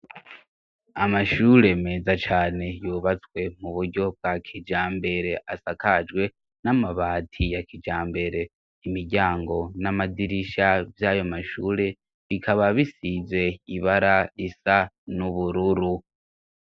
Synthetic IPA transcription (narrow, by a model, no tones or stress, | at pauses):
amaʃuːɾe̞me̞ːzat͡ʃaːne̞juːβat͡swe̞muβuɾɟo̞b̚ɡakʰid͡ʒaːmbe̞ɾe̞ʔasakad͡ʒɡwe̞ | namaβaːtʰijakid͡ʒaːmbe̞ɾe̞ | imiɟaːŋɡo̞namadiɾiʃavjajo̞maʃuːɾe̞ | βikʰaβaβisize̞iβaɾaisa | nuβuɾuɾu